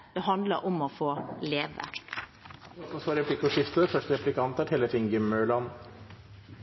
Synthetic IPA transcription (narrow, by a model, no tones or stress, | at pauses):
d̪̥ɛɦɑnd̪ləɾʔɔmɔfoːleːʋə̰ | ɔsɔsoːɾɛpʰlɪkːɔʂɪft̪əæfœʂʈəɾɛplɪkɑnt̪æʈʰɛləfiːŋɡɪmːœɭɑn